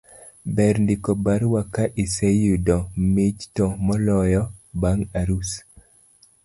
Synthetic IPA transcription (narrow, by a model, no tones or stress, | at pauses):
bɛɾndɪkɔbaɾwakaʔisejudɔmid͡ʒtɔmɔlɔjɔbaŋaɾus